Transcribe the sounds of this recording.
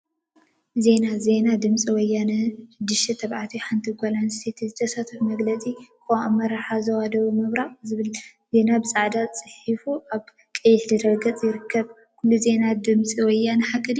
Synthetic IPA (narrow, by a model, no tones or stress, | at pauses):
ze̞naze̞nad̪ɨmsʼiwɔjːanɐʃɨd̪ːɨʃt̪ʰit̪ʰɐβʕat̪ʰiħant̪ʰiɡʷalanset̪ʰizɨt̪ʰɐsat̪ʰɐfmɐɡlɐt͡sʼikʰɐwʔamːɐɾaħazɐwad̪ɐwumɨβɾaʔzɨβɨl | ze̞nabɨsʼaʕd̪at͡sʼɨħifuʔaβ | kʼɐjːɪħlɨɾɐɡɐt͡sʼjɪɾɨkʰːɐβ | kʰulːuze̞nad̪ɨmt͡sʼiwɔjːanɨħakʼːɨd̪